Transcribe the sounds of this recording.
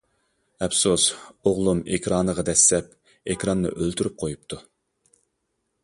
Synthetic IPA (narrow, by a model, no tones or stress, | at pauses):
ɛpsusoʁlˠumekʲʰɾɑːnəʁɑd̪ɛsːɛp | ekʲɾɑnːɨ̰ʔølt̪ʰyɾyp̚qʰojupt̪ʰu